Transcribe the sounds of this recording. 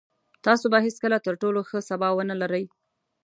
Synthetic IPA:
t̪ɑsobaɦeskəlat̪əɾʈoloxəsabɑwənalaɾəj

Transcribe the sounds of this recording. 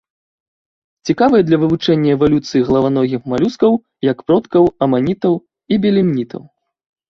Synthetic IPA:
t͡sʲikavɨjɐd̪lʲɐvɨvut͡ʂɛnʲːɐɛvalʲut̪sɨjiɣɐlˠɐvanɔɣʲixmalʲuskɐw | jɐkpɾɔt̪kɐwɐmanʲit̪ɐw | ibʲɛlʲimnʲit̪ɐ̰w

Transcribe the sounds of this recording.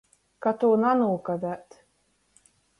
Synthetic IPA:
kat̪uːnanuːkad̪æt̪

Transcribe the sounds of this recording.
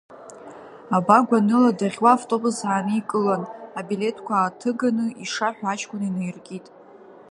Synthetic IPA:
abaɡʷanɨladaʁʲwaːvtʼo̞busaːnɨikʼɨlanabile̞tʰkʷʰaːtʰɨɡanɨiʂaħʷᶣaat͡ʃʰʼkʷʰʼʊnainejrkʲʼitʼ

